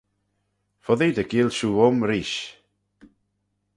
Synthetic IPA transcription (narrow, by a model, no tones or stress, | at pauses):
fɔðidəɡiːlˠʃuːɔmɾiːʃ